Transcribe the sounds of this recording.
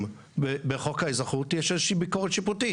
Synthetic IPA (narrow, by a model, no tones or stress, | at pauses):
bebeχokajizaχutjɛʃezeʃiːbikoʁetʃiputi